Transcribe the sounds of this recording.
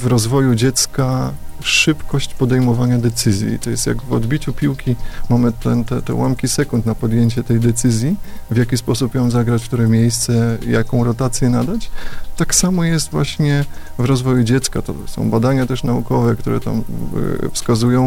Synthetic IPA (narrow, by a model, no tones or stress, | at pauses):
vɾɔzvɔjud͡ʑɛt̪skaʂɘpkɔɕt͡ɕpɔd̪ɛjmɔvaɲad̪ɛt̪sɘzʲjḭt̪ɔjɛst̪ʲja̰ɡvɔ̰d̪bʲit͡ɕupʲiwkʲimamɘt̪ɛ̰nt̪ɛt̪ɛ̰wʔamkʲisɛkunt̪napɔd̪jeɲt͡ɕɛt̪ɛjd̪ɛt̪sɘzʲjivʲjakʲispɔsupjɔmzaɡɾat͡ɕft̪uɾɛmʲjejst̪sɛja̰kɔ̃w̃ɾɔt̪at̪sʲjɛnad̪at͡ɕt̪aksamɔjɛst̪vwa̰ɕɲɛ | vɾɔzvɔjud͡ʑɛt̪skat̪ɔ̰sɔ̰̃w̃bad̪aɲat̪ɛʂnaukɔvɛkt̪uɾɛ̰t̪a̰mfskazujɔ̃w̃